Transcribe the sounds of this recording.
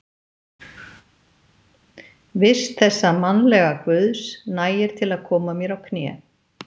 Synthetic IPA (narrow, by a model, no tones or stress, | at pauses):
vɪ̥st̪θɛsːamanlɛɣakvʏðsnaːjɪɾ̥t̪ʰɪlaðkʰɔːmamjɛɾawkʰnɛ̰ː